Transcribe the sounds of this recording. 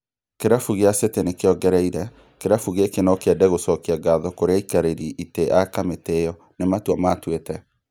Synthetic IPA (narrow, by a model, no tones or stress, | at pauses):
keɾafuɣeasetenekeɔɡɛɾɛiɾɛ | keɾafuɣekenɔkeɛdɛɣosɔkiaɡaðɔkoɾeaikaɾeɾiʔiteʔakametejɔ | nematwamatwetɛ